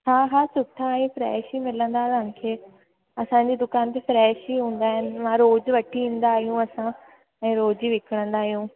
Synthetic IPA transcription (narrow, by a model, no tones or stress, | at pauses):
ɦãːɦaːsʊʈʰãĩfɾɛːʃimɪlə̃nd̪aːtãnkʰeː | ɐsãɲd͡ʑiːd̪ʊkaːnt̪̬efɾɛːʃɦiɦũːnd̪aːɦɪnɪ̆ʋãɾoːd͡ʑʋɐʈʰiĩːn̆d̪aːɦijũɐsã | ɛ̃ːɾoːd͡ʑiʋɪkʰəɽ̃ə̃nd̪aːɦijũ